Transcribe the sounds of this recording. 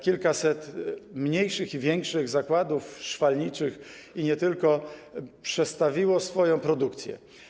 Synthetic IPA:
kʲilkasɛt̪mɲejʂɘxivʲjɛŋkʂɘɣzakwad̪ufʂfalɲit͡ʂɘx | iɲɛt̪ɘlkɔpʂɛt̪st̪avʲiwɔsfɔjɔ̃w̃pɾɔd̪ukt̪sʲjɛ̰

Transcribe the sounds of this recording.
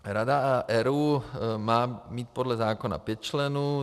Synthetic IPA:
ɾad̪aaʔɛɾuːmaːmic̪pɔd̪lazaːkɔna̰pɛc̚t͡ʃlɛnu

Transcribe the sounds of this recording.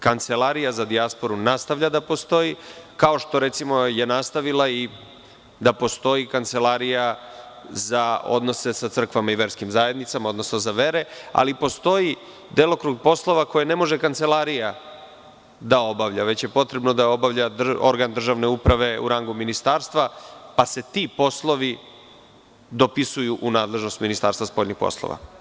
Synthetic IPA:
kant̪selaɾijazad̪iaspoɾunast̪avʎʲad̪apo̞st̪o̞jikao̞ʃt̪o̞ɾe̞t̪simoje̞nast̪aʋilai | d̪apo̞st̪o̞jikant̪se̞laɾija | zao̞̰d̪no̞se̞sat̪sr̩kʋamaiʋe̞ɾskimzaːje̞d̪nit̪samao̞d̪no̞sno̞zaʋe̞ɾe̞a̰lipo̞st̪o̞ji | d̪elokɾuɡ̚po̞slˠo̞ʋako̞jene̞mo̞ʒekant̪selˠaɾija | d̪ao̞baʋʎaʋe̞t͡ɕje̞po̞t̪ɾe̞bno̞d̪aeo̞baʋʎad̪o̞̰ɾɡand̪r̩ʒaʋne̞upɾaʋe̞ṵɾaŋɡuminist̪aːɾst̪vʋapase̞t̪ipo̞slˠo̞ʋi | d̪o̞pisujuʔunaːd̪le̞ʒno̞st̪minist̪aːɾst̪ʋaspo̞ʎʲnixpo̞̰slˠo̰ʋa̰

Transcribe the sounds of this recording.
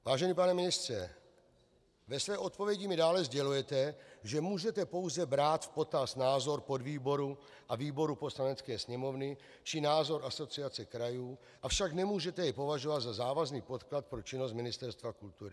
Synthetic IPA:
vaːʒɛniːpanɛmɪnɪst̪r̥ɛ | vɛsvɛːʔo̞t̪̚povjɛɟɪmɪdaːlɛzɟɛlujɛt̪ɛʒɛmuːʒɛt̪ɛpo̞wzɛbɾaːt̪fpo̞t̪asnaːzo̞ɾpo̞dviːbo̞ɾu | ʔaviːboɾupo̞slanɛt͡skɛːsɲɛmo̞vnɪ | t͡ʃɪnaːzo̞ɾʔaso̞t͡sɪat͡sɛkɾajuː | ʔafʃaknɛmuːʒɛt̪ɛjɛpo̞vaʒovad̪zazaːvazniːpo̞t̪klat̪̚pɾo̞t͡ʃɪnos̬t̪mɪnɪst̪ɛɾst̪vakult̪uɾɪ

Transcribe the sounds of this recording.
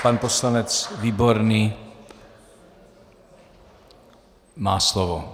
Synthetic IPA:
panposlanɛt͡sviːboɾniː | maːslɔvo

